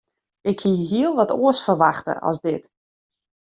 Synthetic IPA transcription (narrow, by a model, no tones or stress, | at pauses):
ɪkhiɦiəlˠʋɔtoəsfərʋaxtə̰ʔɔ̰sdɪt